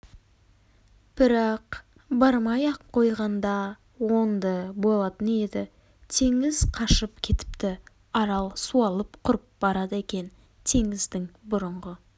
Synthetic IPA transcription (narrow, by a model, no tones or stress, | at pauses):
b̥ɪɾɑq | bɑɾmɑjɑqʰːo̞jʁɑnd̪ɑ | wo̞nd̪əbo̞lˠɑt̪əne̞d̪ɪ | t̪ʰe̞ŋɪz̥qʰɑʃəp̚kʲʰe̞t̪ɪ̥pt̪ɪ | ɑɾɑlˠsuɑlˠəpqʰʊɾəp̚bɑɾɑd̪əekʲe̞n | t̪ʰe̞ŋɪzd̪ɪŋbʊɾʊɴʁə